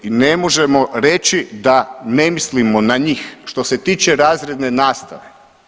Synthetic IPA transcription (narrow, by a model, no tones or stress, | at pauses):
inemoʒemoɾe̞t͡ʃid̪anemislimonaɲiːxʃt̪o̞set̪iːt͡ʃeɾaːzɾe̞d̪nenaːst̪aʋe̞